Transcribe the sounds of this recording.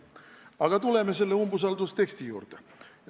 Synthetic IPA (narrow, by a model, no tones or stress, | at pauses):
ɑɡ̥ɑt̪ulemːeselːeumbusɑlt̪ust̪e̞kst̪ijṵːrt̪e